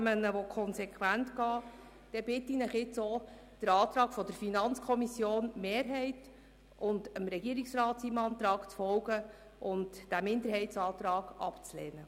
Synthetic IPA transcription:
mənəʋɔkʰɔnsɛkʰχwæntɡɑː | d̪̥ɛb̥ɪtːinɪχɪt͡so | d̥əɾɑːt̪ɾɑːɡ̥fɔd̪əɾfinɑnt͡skʰɔmisjoːnmeːɾɦɛɪt | ʔʊndəmɾɛɡiəɾiksɾɑːtsimɑnt̪ɾɑːɡ̥t͡sfɔlɡə | ʔʊntd̥æmɪnd̪əɾɦɛɪtsɑːt̪ɾɑːɡ̥ɑ̰pt͡sleːnə

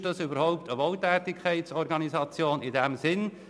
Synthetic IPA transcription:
d̥ɑsybəɾhɔʊptʰəʋɔltɛːtɪkʰχɛɪtsɔɾɡɑnizɑt͡sjoːnɪdɛmzɪn

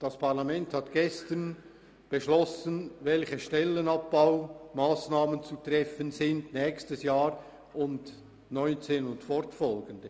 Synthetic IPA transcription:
d̥ɑspʰaʁlɑmɛnthɑtɡ̥ɛstən | b̥eʃlɔsənvɛlçəʃtɛlːənɑp̚b̥aʊmaːsnaːmənt͡sut̪ʁɛfənzɪndnɛːkstəsjaːɾ | ʔʊnd | nɔʏnt͡seːnʊntfɔɾtfɔlɡəndə

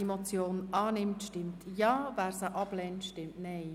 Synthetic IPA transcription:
emot͡sjoːnɑːnɪmtʃtɪmtʰjɑːvæːɾsəʔɑb̥lɛntʃtɪmtnɛɪ

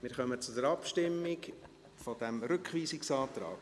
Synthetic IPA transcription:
mɪɾχœmət͡sʊdəɾɑpʃtɪmːɪk | fɔd̥̪ɛmɾʏkχviːsɪksɑːt̪ɾɑ̰ːk

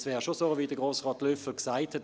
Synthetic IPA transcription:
svɛːʁʃosoːviːdəɡ̥ʁoːsʁɑːtløfl̩ksaɪthɛt

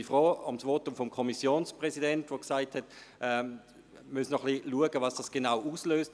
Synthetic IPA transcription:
ifʁɔːʊmsʋotʊmfɔmkʰɔmisjoːnspʁɛsidɛntʋoksaɪthɛtʔɛ | mysnɔχliluəɡəvɑsd̥ɑsɡ̥enaʊʔuːsløːst

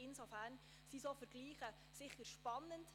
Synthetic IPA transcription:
ɪnsofæːɾn | sisoːfəɾɡ̥liːχə | sɪχːəɾʃpɑnːənt

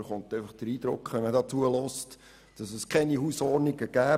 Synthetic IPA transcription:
χontɛɪfɑχd̥əɾiːd̪ɾʊ̰kχʋɛnmədɑːt͡suəlɔst | d̥ɑsəskʰɛnihusɔrniɡəɡ̥æː

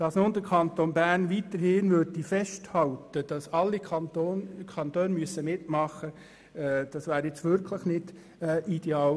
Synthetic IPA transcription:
d̥ɑsnond̪əɾkʰɑnt̪onbæɾnʋitəɾhɪnʋøɾdifɛʃthɑltəd̥ɑsɑlːikɑokʰɑnt̪øːnmyəsəmɪtmɑχəː | d̥ɑsʋæːɾjɛt͡sʋʏɾkʰləχnɪd̥ | ʔid̥eɑːl

